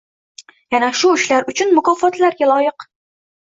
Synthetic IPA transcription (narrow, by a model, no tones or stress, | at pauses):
janaʃuɪʃlaɾʊt͡ʃʰɪnmʊkɒfɒt̪laɾɡʲalˠɒjɤq